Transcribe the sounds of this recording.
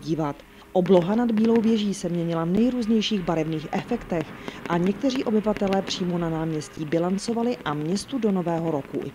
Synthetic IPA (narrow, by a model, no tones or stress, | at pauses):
ɟiːvat̪ | ʔo̞blo̞ɦanad̪biːlo̞wvjɛʒiːsɛmɲɛɲɪlavnɛjɾuːzɲɛjʃiːɣbaɾɛvniːxʔɛfɛkt̪ɛxʔaɲɛk̚t̪ɛr̝iːʔo̞bɪvat̪ɛlɛːpr̥iːmonanaːmɲɛsciːbɪlant͡so̞valɪʔamɲɛst̪udo̞no̞vɛːɦo̞ɾo̞kṵ